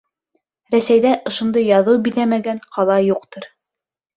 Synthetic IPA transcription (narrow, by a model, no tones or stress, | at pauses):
ɾæsæjðæʔŏʃŏnd̪ɤjːɑðɤwbiðæmæɡæɴqʰɑlˠɑjuqt̪ɤɾ